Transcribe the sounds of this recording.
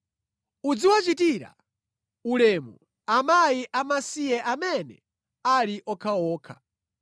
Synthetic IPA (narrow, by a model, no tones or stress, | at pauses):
ud͡ziwat͡ʃitiɾa̰ | ulɛmu | amajiʔamasijɛʔamɛnɛ | aliʔɔkʰawɔːkʰḁ